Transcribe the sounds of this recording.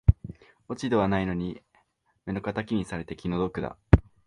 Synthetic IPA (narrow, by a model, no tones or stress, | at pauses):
o̞t͡ɕid̪e̞β̞anaino̞ɲ̟i | me̞no̞kat̪akʲiɲʲisaɾe̞t̪e̞kʲino̞d̪o̞kɯ̟d̪a̰